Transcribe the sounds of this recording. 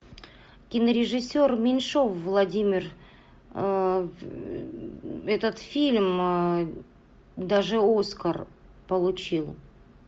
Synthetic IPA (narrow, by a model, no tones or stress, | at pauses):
kʲɪnəɾʲɪʐɨsʲːormʲɪnʂo̞fvlˠɐdʲimʲɪr | ɛt̪ət̪fʲilʲm | d̪aʐɨo̞skər | pəlˠʊt͡ɕilˠ